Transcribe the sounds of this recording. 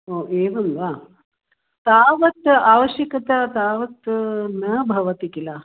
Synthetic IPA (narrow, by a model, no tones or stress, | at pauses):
oːʔeːʋɐnʋaː | t̪aːʋɐt̪aːʋɐɕjɐkɐt̪at̪aːʋɐt̪nɐbʱɐʋɐt̪ikila